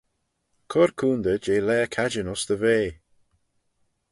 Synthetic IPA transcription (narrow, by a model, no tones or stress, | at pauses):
kʰɔɹkʰuːnd̪əd͡ʒeːlɛːkʰad͡ʒənɔsd̪əveː